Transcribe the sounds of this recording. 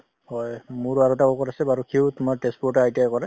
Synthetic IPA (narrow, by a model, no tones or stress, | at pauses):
hɔjmʊɹaɹutaɔkɔtasɛbaɹukʰewtʊmaɹtɛspɔɹtaajtiajkɔɹɛ